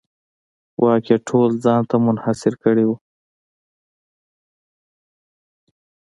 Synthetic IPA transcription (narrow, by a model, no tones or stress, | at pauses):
wʔɑːkeʈʰoːlzɑːnt̪amʊnhasɪɾkəɽiwu